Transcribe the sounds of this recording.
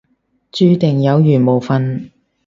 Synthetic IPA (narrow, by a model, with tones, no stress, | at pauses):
t͡ʃyː˥t̪ɪ˨˩ŋjɐ˨˧wjyː˨˩nmo˨˩wfɐ˨˧n